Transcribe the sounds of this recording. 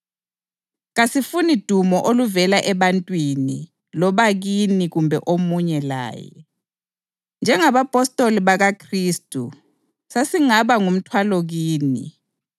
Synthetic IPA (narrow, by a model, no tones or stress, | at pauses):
ɣasifunid̥ʱumɔʔoluvɛlaʔɛβantʼwinḭ | lɔβaɣiniɣumbʱɛʔomuɲɛla̰ːjɛ̰ | nd͡ʒʱɛŋaβapʼɔstʼoliβaɣakʰriːstʼu | sasiŋaβaŋum̩tʰwaloɣiːnḭ